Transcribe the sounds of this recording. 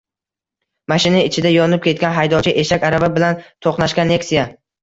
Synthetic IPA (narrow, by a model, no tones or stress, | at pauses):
maʃɪnaɪt͡ʃʰɪd̪ajɒnɪp̚kʲʰe̞t̪̚kʲanɦajd̪ɒt͡ʃʰɪʔe̞ʃakʲaɾababɪlant̪ʰoqnaʃkʲanːe̞ksija